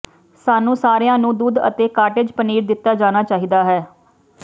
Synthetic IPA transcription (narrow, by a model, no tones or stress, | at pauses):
saːnũːsaːɾejãːnũːd̪uːd̪ə̰t̪eːkaːʈeːd͡ʒpəniːɾd̪ɪt̪ːaːd͡ʒaːnaːt͡ʃaːɦiːd̪aːɦɛː